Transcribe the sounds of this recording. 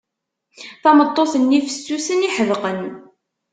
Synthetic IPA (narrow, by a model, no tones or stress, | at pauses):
θɑmət̪ˤːoθənːifə̥sːusəniħəvqən